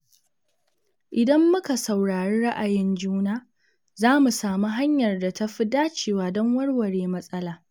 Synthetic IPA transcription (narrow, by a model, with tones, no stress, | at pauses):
ʔɪ˨dɐ˦mːʊ˦ka˨sa˨wɽaː˨ɽeː˦ɽa˦ʔa˨jɪ˦nd͡ʒuː˦naː˦ | zaː˦mu˨saː˨mu˦ɦa˦ɲjɐ˨rda˨tɐ˦ɸɪ˦daː˦t͡ʃeː˨waː˦dɔ˦ŋwɐ˦ɽwɐ˨ɽeː˨mɐ˦sʼɐ˦laː˨